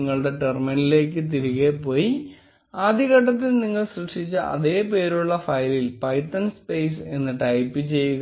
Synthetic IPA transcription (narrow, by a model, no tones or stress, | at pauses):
ŋːɐɭɽe̞ʈerminile̞ːk̬ːɨt̪̬iɾuɣepo̞ːji | aːd̪ʱiɣɐʈːɐt̪̬ːilniŋːɐɭsrɨkʂit͡ɕːɨʔɐ̰ðeːp̬e̞ːɾuɭːɐfɐjlilpɐjʈːɐnspejs̬e̞nːɨʈɐjpːɨt͡ɕe̞jːuɣ